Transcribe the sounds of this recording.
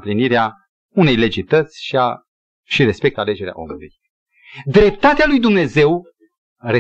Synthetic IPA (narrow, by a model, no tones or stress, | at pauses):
pliniɾea | une̞jle̞d͡ʒit̪ət̪sʲʃia | ʃiɾe̞spe̞k̚t̪ale̞d͡ʒe̞ɾea̰ʔo̞̰muluj | d̪ɾe̞pt̪at̪ealujd̪umne̞ze̞w | re